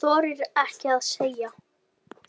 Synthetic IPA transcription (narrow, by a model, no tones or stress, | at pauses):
ɔːɾɪɾɛhcɪaðseːja